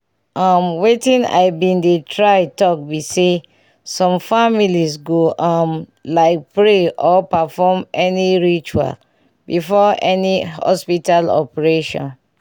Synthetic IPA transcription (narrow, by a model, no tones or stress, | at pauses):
ʔamwetĩna̰ɪbĩndetʰɹaɪtɔk̚bise | sɔ̃mfamilisɡoʔãmlaɪk̚pɹeʔɔpafɔmɛniɹit͡ʃua̰l | bifɔɛnihɔ̰spitalɔ̰pɛɹeʃɔ̰̃n